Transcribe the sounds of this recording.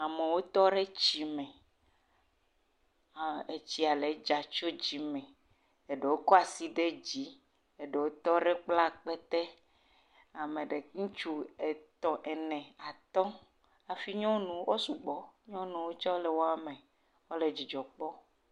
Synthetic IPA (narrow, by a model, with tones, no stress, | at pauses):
a˨me˨wo˦t̪ɔ˦ɖe˦t͡ɕi˨˦mɛ̃˨ | a˨e˨t͡ɕi˦a˨le˨d͡ʒa˨t͡ʃo˦d͡ʑi˨mɛ̃˨ | e˨ɖe˨wo˦kɔ˦a˨si˦ɖe˦d͡ʑi˦ | e˨ɖe˨wo˦t̪ɔ˦ɖe˦k͡pla˦k͡pe˦t̪e˦ | a˨mẽ˨ɖe˨ŋũ˦t͡ʃu˦e˨t̪ɔ̃˨ʔe˨nɛ̃˨a˨t̪ɔ̃˦ | a˨fi˦ɲɔ̃˦nũ˨wo˦su˨ɡ͡bɔ˨ɲɔ̃˦nũ˨wo˦t͡ʃɔ˦le˨wo˦a˨mẽ˨ | wo˦le˨d͡ʑi˨d͡ʒɔ˨k͡pɔ˦